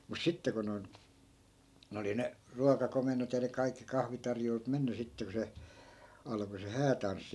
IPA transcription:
mus sitːe ko noi̯n n oli ne ruɑkɑkomenˑot jɑ ne kɑikːi kɑhʋitɑrjoilut menːy sitːe ku se ɑlɑ̆ko se hæːtɑnsːi

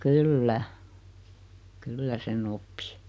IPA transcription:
kylːæ kylːæ sen opːi̥

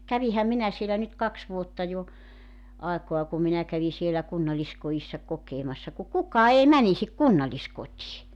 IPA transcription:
kæʋihæm minæ sielæ nyt kɑks ʋuotːɑ jo ɑˑekoɑ ku minæ kæʋi sielæ kunːɑlːiskoisːɑ kokeːmɑsːɑ ku kukˑɑː ei mænisik kunːɑllʲiskotʲiː

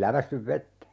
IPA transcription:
læʋæsːyʋ ʋetːæ

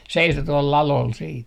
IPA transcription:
seiso tuol lɑlol siːt

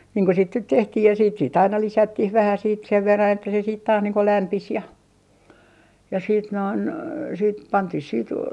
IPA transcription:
niːŋ ko sit nyt tehtih jɑ siːt siːt ɑinɑ lisætːih ʋæhæ siːt seʋ ʋerːɑn etːæ se siːt tɑːs niːŋ ko læmpis jɑ jɑ siːt noin siːt pɑntih siːt

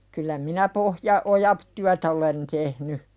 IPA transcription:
kylːæ minæ pohjɑ ojɑp tyætæ olen tehny

